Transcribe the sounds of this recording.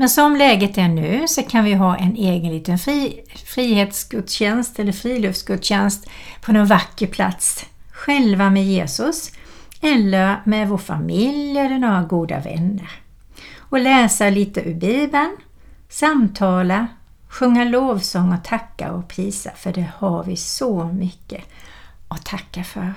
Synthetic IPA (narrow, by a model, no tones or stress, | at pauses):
mɛnsɔmlɛːɡət̪æɳʉ̟ːsɔkʰanvɪɦɑːʔɛneːɡənliːt̪ənf | fɾiːheːt̪sɡɵd̪ɕɛnst̪ɛlːəɾfɾiːlɵftsɡɵd̪ɕɛnst̪pʰɔnɛnvakːəpʰla̰t̪s | ɧɛlvamɛjeːsɵs | ɛlːəɾmɛvoːɾfa̰mɪljɛlːənoːɾaɡuːd̪a̰vɛ̰nːəɾ | ɔlɛːsaliːt̪əʔʉbiːbən | samt̪ʰɑːla | ɧɵŋːaloːvsɔŋːɔt̪ʰakːa̰ɔpʰɾiːsa̰fœɖɛhaɾvɪsɔmʏkːə | ʔɔt̪ʰakːafœɾ